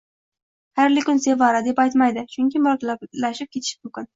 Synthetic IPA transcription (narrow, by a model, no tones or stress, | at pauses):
haɾlɪkʲʊnsevɑɾad̪epɑjt̪majd̪ɪt͡ʃʰʊŋkʲɪmʊɾɑk̪ʲlalæʃɪp̚kʲʰet̪ʰɪ̥ʃɪ̥mʊmkʲɪn